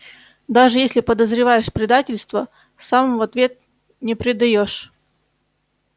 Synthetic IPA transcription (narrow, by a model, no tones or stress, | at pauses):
d̪aʐɨjesʲlʲɪpəd̪əzɾʲɪvajɪʂpɾʲɪd̪atʲɪlʲst̪və | samvɐt̪vʲe̞t̪̚ | nʲɪpɾʲɪd̪ɐjoʂ